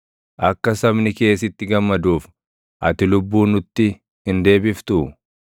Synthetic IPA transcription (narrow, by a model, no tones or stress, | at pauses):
ʔɐkːɐsɐbnɪke̞ːsɪt̪ːɪɡɐmːɐd̪uːf | ʔɐt̪ɪlʊbːuːnʊt̪ːɪ | hɪnd̪e̞ːbɪft̪ʊ